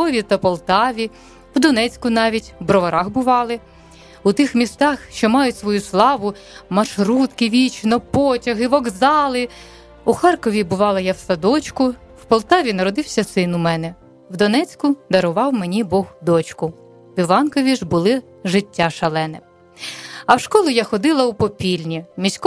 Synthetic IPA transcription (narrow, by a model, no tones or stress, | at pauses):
ɔʋʲit̪ɐpɔlˠt̪ɑʋʲi | wd̪ɔnɛt͡sʲkʊnɑʋʲitʲwbɾɔʋɐɾɑxbʊʋɑlˠɪ | ut̪ɪxmʲist̪ɑxʃt͡ʃɔmɑjʊtʲsʋɔjuslˠɑʋʊ | mɐʃɾut̪kɪʋʲit͡ʃnɔpɔtʲɐɦɪʋɔɡzɑlˠɪ | uxɑrkɔʋʲibʊʋɑlˠɐjɑwsɐd̪ɔt͡ʃkʊ | wpɔlˠt̪ɑʋʲinɐɾɔd̪ɪwsʲɐsɪnʊmɛnɛ | wd̪ɔnɛt͡sʲkʊd̪ɐɾɔʋɑwmenʲibɔɣd̪ɔt͡ʃkʊ | ʋʲiʋɑnkɔʋʲiʒbʊlˠɪ | ʒɪtʲːaʃɐlˠɛnɛ | ɐwʃkɔlˠʊjaxɔd̪ɪlˠɐʊpɔpʲilʲnʲimʲisʲk